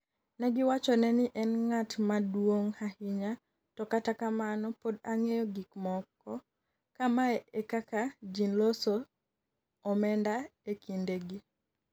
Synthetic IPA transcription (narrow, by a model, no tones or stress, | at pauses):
nɛɡɪwat͡ʃɔnɛnɪʔɛnŋatmadwoŋhahɪɲa | tɔkatakamanɔpodaŋejɔɡikmɔkːɔ | kamaɛekakad͡ʒinlosoː | mɛndaekʰindeɡi